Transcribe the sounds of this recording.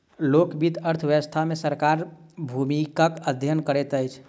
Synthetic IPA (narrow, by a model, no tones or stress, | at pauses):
lokbid̪əɾt̪ʰʋjɛəst̪ʰamesəɾkaɾbʱumikəkəd̪ʱjənkəɾɛt̪əjt͡ʃʰ